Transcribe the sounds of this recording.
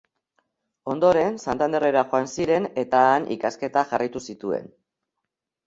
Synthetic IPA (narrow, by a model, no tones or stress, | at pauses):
o̞nd̪o̞ɾe̞nsant̪and̪e̞re̞ɾaxo̞ansiɾe̞ne̞t̪aːnʔḭkaske̞t̪aʝarajt̪usit̪ue̞̰n